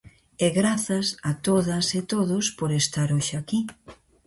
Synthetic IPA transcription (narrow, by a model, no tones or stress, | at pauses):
ɛɣɾaθɐsat̪oðɐset̪oðʊspoɾest̪aɾoʃeaki